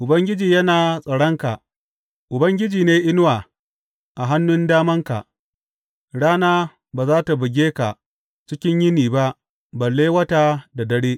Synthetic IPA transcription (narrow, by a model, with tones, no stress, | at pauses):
ʔʊ˨bɐ˦ŋɡʲɪ˦d͡ʒiː˨jɐ˦naː˨sʼɐ˨ɽɐ˦ŋka˨ʔ | ʔʊ˨bɐ˦ŋɡʲɪ˦d͡ʒiː˨neː˦ʔɪ˦n˦waː˨ | ʔa˨ɦa˦nːʊ˦ndaː˦mɐ˦ŋka̰˨ʔ | ɽaː˦naː˦ | baː˨zaː˦ta˨bɪ˨ɡʲeː˦ka˨ | t͡ʃɪ˦kʲɪ˦ɲjɪ˦niː˨ba˦ʔ | bɐ˨lːeː˦wɐ˦taː˦da˨dɐ˦ɽeː˦ʔ